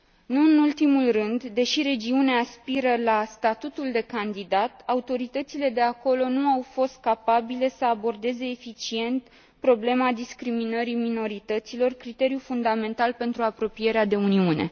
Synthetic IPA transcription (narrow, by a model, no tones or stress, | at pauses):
nuɨnult̪imulrɨnd̪d̪e̞ʃiɾe̞d͡ʒiuneːspiɾəlast̪at̪ut̪uld̪e̞kand̪id̪at̪aut̪o̞ɾit̪ət̪sile̞d̪e̞ako̞lo̞nuawfo̞st̪̚kapabile̞səabo̞rd̪e̞ze̞ːfit͡ʃie̞nt̪ | pɾo̞ble̞mad̪iskɾiminəɾimino̞ɾit̪ət̪silo̞rkɾit̪e̞ɾijufund̪ame̞nt̪alpe̞nt̪ɾuapɾo̞pije̞ɾead̪e̞uniune̞̰